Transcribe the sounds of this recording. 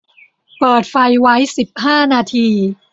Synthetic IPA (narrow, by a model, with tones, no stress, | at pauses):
pɤː˨˩t̪̚fa˧jwa˦˥jsi˨˩p̚haː˥˩naː˧t̪ʰiː˧